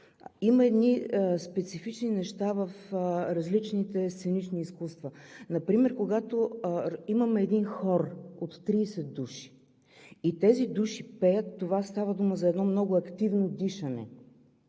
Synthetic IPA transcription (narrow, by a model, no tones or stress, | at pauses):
imɐɛd̪nispɛt̪sifit͡ʃninɛʃt̪avəfɾɐzlit͡ʃnit̪ɛst̪sɛnit͡ʃniːskust̪vənɐpɾimɛɾkoɡat̪oimɐmɛɛd̪inxɔɾot̪ːɾiːsɛt̪d̪uʃi̥ | it̪ɛzid̪uʃi̥pɛjət̪ːovast̪avəd̪uməzɐɛd̪nɔmnɔɡʊɐkt̪ivnod̪iʃɐnɛ̰